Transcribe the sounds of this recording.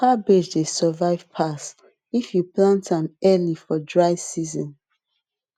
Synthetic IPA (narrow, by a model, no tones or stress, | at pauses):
kabed͡ʒdesɛvaɪv̥pʰas | ifjuplãntãmɛlifɔdɹaɪsizɔ̃n